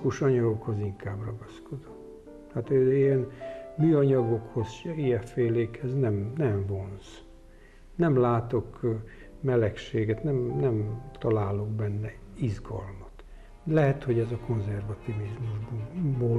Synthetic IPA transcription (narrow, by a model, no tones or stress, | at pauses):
kuʃɒɲɒɡokho̞ziŋkaːbrɒɡɒsko̞d̪o | aːt̪øːijɛnmyːɒɲɒɡo̞kho̞zijɛfeːleːkhɛznɛmnɛɱvo̞ns | nɛmlaːt̪o̞k | mɛlɛkʃeːɡɛt̪nɛmnɛmt̪ɒlaːlo̞ɡbɛnːɛizɡɒ̰lmɒt̪ | lɛɦɛt̪ho̞ɟɛzɒko̞nzɛrvɒt̪ivizmuʒbboː